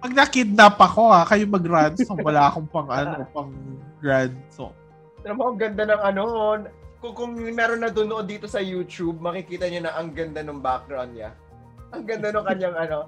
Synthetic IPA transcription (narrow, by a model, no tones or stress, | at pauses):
pɐɡ̚nɐkid̪̚napɐko̞akɐjomɐɡɾad̪sowɐlaːʔɐkoŋpɐŋʔɐnoʔpɐŋɡɾad̪so̰ | sɐnɐmoɐŋɡɐnd̪anɐŋʔɐnonkʊŋkʊŋnɛɾonːɐd̪ʊnoʔod̪iːt̪o̞sɐjuːt͡ʃub̚mɐkɪkiːt̪ɐɲonɐʔɐŋɡɐnd̪anʊŋbak̚ɡɾawnd̪̚ɲa | ʔɐŋɡɐnd̪anʊŋkɐɲaŋʔɐno